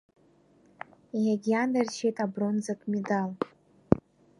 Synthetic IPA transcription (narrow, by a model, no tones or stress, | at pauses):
ijaɡʲiandarʃʰejtʼabronzakʼmʲedal